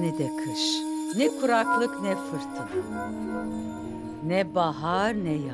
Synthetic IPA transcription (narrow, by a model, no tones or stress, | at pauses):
nid̪ɛkʰɯʃnɛkʰuɾaklˠɯknɛfɯɾt̪ʰɯɾ | nɛbaɦaɾnɛja